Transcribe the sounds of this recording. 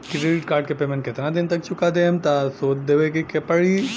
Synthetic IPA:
kɪʈeɖɪʈ̚kaːɾʈ̚kepeːmẽnʈkɪt̪nad̪ɪnt̪ɐk̚t͡ʃʰʊkad̪eːmt̪asoːt͡ʃd̪eʋekekepəɽi

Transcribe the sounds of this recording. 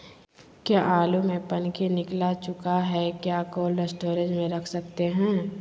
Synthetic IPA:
kjaːʔaːlumẽpɐnkinɪklat͡ʃʊkaɦɛkjaːkoːlɾəsʈoːɾed͡ʒmẽɾɐkʰsɐkt̪eɦɛ̃ː

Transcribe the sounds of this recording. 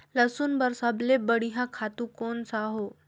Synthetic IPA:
ləsuːnbəɾsablebəɽiɦãkʰat̪ũkonsaɦo

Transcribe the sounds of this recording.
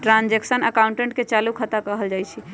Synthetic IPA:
ʈɾãnd͡ʒeksənəkawuɳʈẽɳʈket͡ʃalukʰət̪akəɦəld͡ʒajt͡ʃʰi

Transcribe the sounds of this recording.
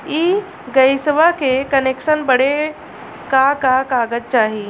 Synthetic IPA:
i | ɡəjsʋakekənekʃənbəɽ̤e | kakakaːɡət̪̚t͡ʃaːɦi

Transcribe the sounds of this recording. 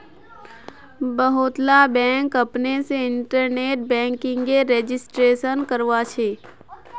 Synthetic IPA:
bəɦʊt̪labɛ̃ːŋkɐpneseɪɳʈəɾneːʈ̚bɛ̃ːŋkɪ̃ŋɡeɾeːd͡ʒɪsʈɾeːʃənkəɾʋat͡ʃʰeː

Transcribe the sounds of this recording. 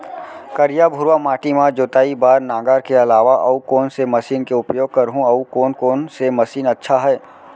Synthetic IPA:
kɐɾjabʱʊɾʋamaːʈimãd͡ʒoːt̪aːibaːɾnaːɡaːɾkeɐlaːʋaʔɐukoːnsemɐsiːnkeʊpjoːɡ̚kɐɾɦũɐukoːnkoːnsemɐsiːnɐtːʃʰaɦɛː

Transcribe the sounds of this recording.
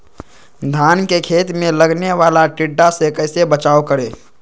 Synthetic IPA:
d̪ʱaːnkekʰeːt̪mẽləɡneʋaːlaʈɪɖːasekəɪsebət͡ʃaːokəɾeː

